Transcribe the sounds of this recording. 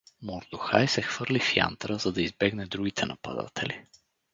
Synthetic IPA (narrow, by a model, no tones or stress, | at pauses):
mʊɾd̪ʊxajsɛxv̥ɤɾlifja̰nt̪ɾəzɐd̪ɐizbɛɡnɛd̪ɾuɡʲit̪ʰɛnɐpɐ̰d̪a̰t̪ʰɛli